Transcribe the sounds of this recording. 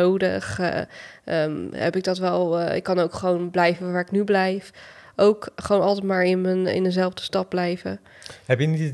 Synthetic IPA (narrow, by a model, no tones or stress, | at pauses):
owdəχ | ʔəmɦɛ̰pɪɡ̚dɑtʋɛlˠɪ̰kːɑnowkχəʋownblɛjvənʋaːɹɪknyblɛjfʔowkχəʋownɑlˠtɛtmaːɹɪnənɪ̰ndənzɛlˠvdəstɑp̚blɛjvə̰ | ɦɛpjənit